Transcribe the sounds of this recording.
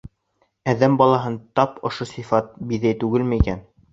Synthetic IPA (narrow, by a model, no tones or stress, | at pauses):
æðæmbɑlˠɑɦɤnt̪ɑpŏʃosifɑt̪̚biðæjt̪ʉɡɘlmɘikæn